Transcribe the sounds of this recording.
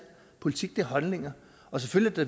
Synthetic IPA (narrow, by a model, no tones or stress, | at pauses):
pʰo̝lit͡sʰiɡ̥̚d̥e̝ɦɒ̽lne̝ŋɐ | ɒ̽s̬eføljæd̥e